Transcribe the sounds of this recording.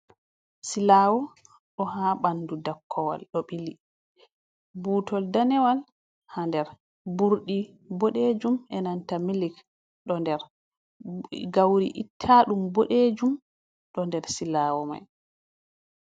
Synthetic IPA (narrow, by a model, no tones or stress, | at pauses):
silaːwɔ | ɗɔɦaːɓanːdudakʰːɔwa̰lɗɔɓili | buːtɔldanɛwal | handɛɾ | buɾɗi | boɗed͡ʒumʔɛnantamilik | ɗɔndɛɾ | ɡawɾḭʔitʰːaɗumboɗed͡ʒum | ɗɔndɛɾsilaːwɔma̰j